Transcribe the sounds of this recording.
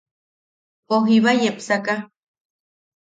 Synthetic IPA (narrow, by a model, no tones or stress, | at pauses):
poɦiβajepsaka